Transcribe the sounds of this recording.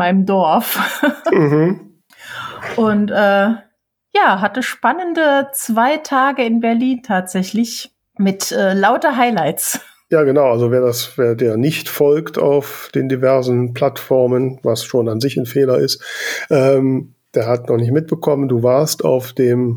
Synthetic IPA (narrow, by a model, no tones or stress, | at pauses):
maɪnəmdɔɐfm̩ɦm̩ | ʔʊntʔɛː | jaːɦatəʃpanəndət͡sv̥aɪtʰaːɡəɪnbɛɐliːntʰaːtz̥ɛçlɪç | mɪtʔɛːlaʊtɐɦaɪlaɪts | jaːɡənaʊʔalzoveːɐdasveːɐdeːɐnɪçtfɔlktʰa̰ʊfd̥eːndivɛɐzn̩pl̥atfɔɐmənvasʃoːnanzɪçn̩feːlɐɪstʔɛːm | d̥eːɐɦatnɔχnɪç̬tmɪt̚b̥əkʰɔmənduːvaːɐsta̰ʊfd̥eːm